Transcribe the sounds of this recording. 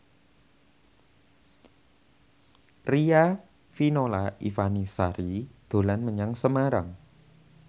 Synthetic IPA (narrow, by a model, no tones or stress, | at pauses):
ria | finolaḭfanisaɾid̪̥o̤lanməɲaŋsəmaɾaŋ